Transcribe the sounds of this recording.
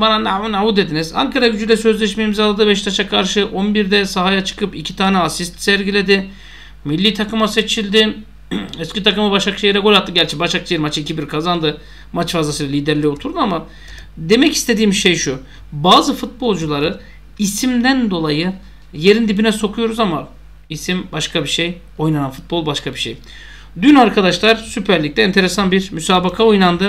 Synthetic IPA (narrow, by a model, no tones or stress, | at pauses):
bananaunaud̪ed̪iniza̰ŋkʰaɾaɟyd͡ʒyjlʲɛsø̞zlʲɛʃmeimizalˠːad̪ɯbɛʃt̪ʰaʃakʰaɾʃɯʔo̞nbiɾd̪ɛsaɦajat͡ʃʰɯ̥kʰɯpicʰi̥t̪ʰaːnɛasist̪sæɾɟilʲe̞d̪ɪ | milʲːiːt̪ʰakɯmase̞t͡ʃʰilʲd̪ɪ | ɛscit̪ʰakɯmabaʃakʃʰejiɾɛkolʲat̪ːɯɟæɾʲt͡ʃʰɛbaʃak̚t͡ʃʰajiɾmat͡ʃʰicʰibiɾkʰazand̪ɯ | mat͡ʃfazlˠasɯlalʲiːd̪ɛɾlʲio̞t̪ʰuɾd̪uama | d̪e̞mɛci̥st̪ʰe̞d̪iːmʃe̞jʃu | baːzɯfut̪̚bo̞lˠd͡ʒulˠaɾɯ | isimd̪ænd̪o̞lˠajɯ | jeɾind̪ibinɛso̞kʰujo̞ɾuzama | isimbaʃkʰabiʃe̞j | o̞jnananfu̥t̪̚bo̞lˠbaʃkabiʃḛj | d̪ynaɾkʰad̪aʃlˠaɾsypʰæɾlʲic̚t̪ʲɛːnt̪ʰe̞ɾesanbiɾmysaːbakʰao̞jnand̪ɯ